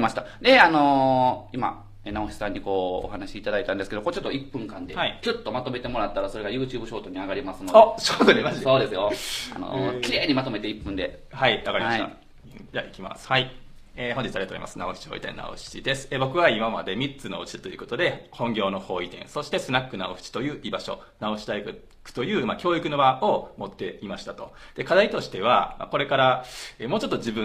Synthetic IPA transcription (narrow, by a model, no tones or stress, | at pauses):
imaɕi̥t̪ad̪e̞ano̞ima̰ | enaoɕi̥sãɲ̟ːiko̞̰ːhanaɕiːt̪ad̪ait̪ãnd̪esɨ̥keokoːt͡ɕot̪ːoipːɯ̟̃ŋkãnd̪e̞aikʲot̪ːo̞mat̪o̞me̞t̪e̞mo̞ɾat̪ːaɾaso̞ɾe̞ɡajɯ̟ːt͡ɕɨːbɯ̟ɕo̞ːt̪o̞ɲ̟iaɡaɾʲimasɨnodoɕot̪oaso̞ːd̪e̞sɨjo̞a̰no̞̰kʲiɾe̞ːɲ̟imat̪o̞me̞t̪e̞ipːɯ̃nd̪e̞ | haiβakaɾimaia | d͡ʑaikʲima̰sɨ̥hai | eːɦoɲd͡ʑit͡sɨaɾiato̰imasɨnaoɸɯ̥t͡ɕi̥ho̞ːḭt̪ẽ̞̰nːa̰o̰ɕi̥t͡ɕid̪e̞sɨ̥ebo̞kɯ̟βaimama̰d̪e̞mʲitt͡sɨnoot͡ɕi̥t̪o̞jɯ̟ko̞t̪o̞d̪e̞hõ̞ŋɡʲo̞ːno̞ho̞ːit̪ẽ̞ɰ̃so̞ɕi̥t̪e̞sɨnakːɯ̟naoɸɯ̟̥t͡ɕi̥t̪o̞jɯ̟ːʔibaɕo̞̰ | nao̞ɕi̥t̪aikɯ | kɯ̟̥t̪o̞jɯ̟ːmakʲo̞ːikɯ̟no̞baomo̞t̪ːe̞imaɕi̥t̪at̪o̞d̪̥e̞kad̪ait̪o̞ɕi̥t̪e̞β̞ama̰ko̞ɾe̞kaɾaeːmo̞ːt͡ɕo̞t̪ːo̞d͡ʑibɯ̟̃